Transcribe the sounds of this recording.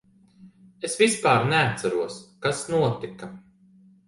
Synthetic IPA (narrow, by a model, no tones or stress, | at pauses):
esvispaːɾnɛat̪saɾuɔskasnuɔt̪ika